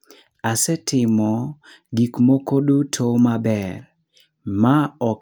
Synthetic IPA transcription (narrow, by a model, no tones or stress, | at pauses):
asɛtɪmɔ | ɡikmokodutʰomabɛr | maɔ